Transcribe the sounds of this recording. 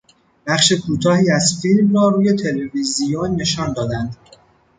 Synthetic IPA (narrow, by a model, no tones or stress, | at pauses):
b̥æχʃe̞kʰuːt̪ʰɒːhiːæzfilmrɒːɾuːje̞t̪ʰe̞levizijonːe̞ʃɒːnd̪ɒːd̪ænd̪